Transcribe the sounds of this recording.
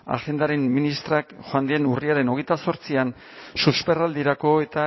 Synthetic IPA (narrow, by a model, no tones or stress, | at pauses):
a̰xe̞nd̪aɾe̞mminist̪ɾakxoand̪enuriaɾe̞no̞ɣ̞ejt̪aso̞ɾt͡sian | suspe̞rald̪iɾako̞e̞t̪a